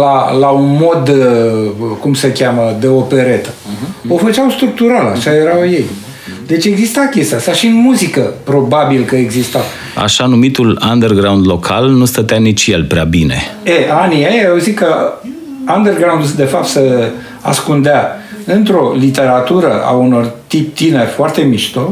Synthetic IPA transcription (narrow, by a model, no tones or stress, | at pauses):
lalaunmo̞d̪ | kumsəkʲaməd̪e̞o̞pe̞ɾe̞t̪ə̥o̞fət͡ʃawst̪ɾuk̚t̪uɾala̰ʃaje̞ɾawje̞j | d̪e̞t͡ʃʲe̞ɡzist̪akʲe̞st̪easaʃiɨnmuzikəpɾo̞babilkəeɡzist̪a | a̰ʃanumit̪uland̪erɡɾawnd̪lo̞kʰa̰lnust̪ət̪eanit͡ʃjelpɾea̰binḛeaniajawzit̪kə | and̪erɡɾawnd̪d̪e̞fap̚t̪se | a̰skund̪ea | ɨnt̪ɾo̞lit̪e̞ɾat̪uɾəʔa̰uno̞rt̪ip̚t̪ine̞rʲfoart̪e̞miʃt̪o